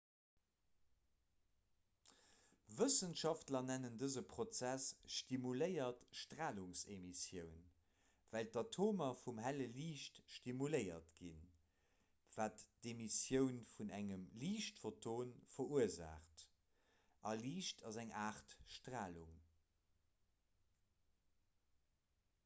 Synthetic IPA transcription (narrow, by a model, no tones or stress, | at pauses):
vəsənʃɑftlɐnænəndəzəpʁot͡sæsʃtimuləɪɐtʃtʁaːluŋsemisjəʊn | væltɑtʰoːmɐfumɦæləliːʃtʃtimuləɪɐ̰tɡ̥ḭn | v̥aːtd̥emisjəʊnfunæŋəmliːʃtfotʰoːnfɐʁuəza̰ːχt | ɑliːʃtʰɑzæŋaːχtʃtʁaːluŋ